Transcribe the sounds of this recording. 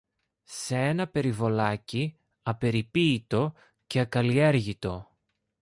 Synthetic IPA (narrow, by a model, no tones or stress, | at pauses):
see̞nɐpe̞ɾivo̞lɐci | ɐpe̞ɾipiːt̪o̞ | ce̞ɐkɐlie̞ɾʝit̪o̞